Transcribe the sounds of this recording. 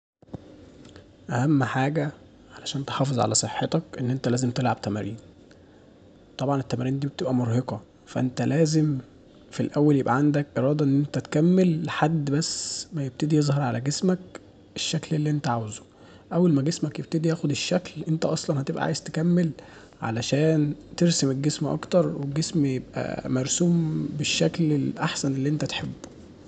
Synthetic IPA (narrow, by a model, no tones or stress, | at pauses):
ʔæhæmːħaːɡæ | ʕalæʃæːnt̪e̥ħɑːfezˤʕa̰læsˤeħːet̪ɑkʔenːʔent̪ælæːzemt̪elʕab̚t̪æmæɾiːn | t̪ˤɑbʕɑnet̪ːæmæɾiːnd̪iːbet̪ebʔæmoɾheqɑ | fæ̰ʔent̪ælæːzem | filʔæwːæljebʔæʕand̪ækʔeɾˤɑːd̪ˤɑʔenːʔent̪æt̪kæmːelːħad̪ːbæsːmæjeb̥̚t̪ed̪ijezˤhɑɾˤʕalæɡesmæk̚ | ʔeʃːæklelːiʔent̪æʕawzo̥ | ʔæwːælmæɡesmækjeb̚t̪ed̪ijæːxod̪eʃːæklʔent̪æʔɑsˤlɑnhæt̪ebʔæ̰ʕa̰ːjez̥t̪ekæmːel | ʕa̰læʃæːnt̪eɾsemeɡesmʔɑ̰kt̪ɑɾˤweɡːesmjebʔæ̰mæɾˤsuːmbeʃːæklelʔaħsænelːiːʔent̪æt̪ħebːo